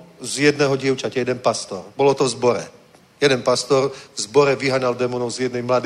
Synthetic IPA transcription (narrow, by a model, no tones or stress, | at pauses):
zjɛd̪nɛɦɔɟɪɛʊt͡ʃacɛjɛd̪ɛnpast̪ɔɾbɔlɔt̪ɔzbɔɾɛ | jɛd̪ɛnpast̪ɔɾzbɔɾɛʋiɦaɲald̪ɛmɔnɔʊzjɛd̪nɛjmlad̪i